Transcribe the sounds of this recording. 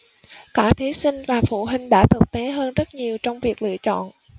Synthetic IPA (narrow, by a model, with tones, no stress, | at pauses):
kaː˧˩t̪ʰi˨˦sï˧ŋ̟vaː˨˩fu˧˩ɦï˨˩ŋ̟ɗa̰ː˧˥˩t̪ʰɨ˨˩k̚t̪e˨˦ɦəː˧nzə˦˥t̚ɲi˨˩əwt͡ɕɔ˧wŋ͡mvi˨˩ək̚lɨ̰˧˨ət͡ɕɔ̰˧˨n